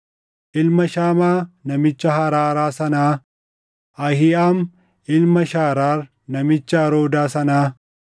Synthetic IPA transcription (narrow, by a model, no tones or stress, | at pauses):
ʔɪlmɐʃaːmaːnɐmɪt͡ʃːɐhɐɾaːɾaːsɐnaː | ʔɐhɪaːm | ɪlmɐʃaːɾaːɾ | nɐmɪt͡ʃːɐːɾoːd̪aːsɐnaː